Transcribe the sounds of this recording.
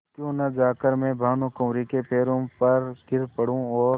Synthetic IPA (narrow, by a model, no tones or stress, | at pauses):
kjõːnɐd͡ʒaːkəɾmẽbʱaːnõkõːɾikepeːɾõpɐɾɡʱɪɾpəɽ̤ũɔːɾ